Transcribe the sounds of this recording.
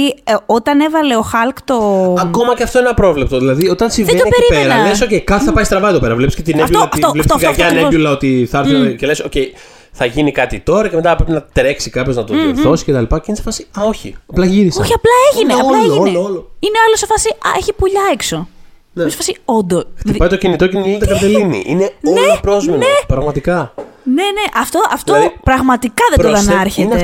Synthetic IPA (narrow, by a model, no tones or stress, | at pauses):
iot̪ɐne̞vɐle̞o̞xɐlkt̪oɐko̞mɐceɐft̪oenenɐpɾo̞vlep̚t̪oðilɐðio̞t̪ɐnsivðed̪opeɾieɾɐlesocejkɐt̪iθɐpɐjst̪ɾɐvɐiðope̞ɾɐvlepiscet̪ineɐfbuooɐt̪ovlɐfi̥soɐɡɐoɐneʝulɐot̪iθɐɐɾiecelesoce̞j | θɐʝinikɐt̪it̪o̞ɾɐcemet̪ɐpɾepinɐt̪ɾeksikɐpço̞znɐt̪oðioɾθo̞si̥cet̪ɐlipɐeinese̥fɐsiɐo̞çḭɐplɐʝiɾisoçiɐplɐeʝineɐlɐeieloloineolosefɐsiɐeçipoʎɐekso̞ | nse̥fɐsiond̪oxt̪ipɐjt̪ocinit̪o̞ceniit̪ɐkɐpɾt̪elinḭʔineoelpɾozmenepɾɐɣmɐt̪ikɐne̞ne̞ʔɐft̪o̞ʔɐft̪opɾɐɣmɐt̪ikɐðet̪oðɐnɐɾçene